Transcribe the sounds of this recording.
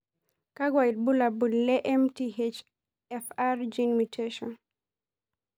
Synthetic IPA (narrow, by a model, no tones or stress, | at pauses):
kaɡwajid̚bulabunlɛʔɛmtihet͡ʃ | ɛfaɾd͡ʒinmitʰeʃɔn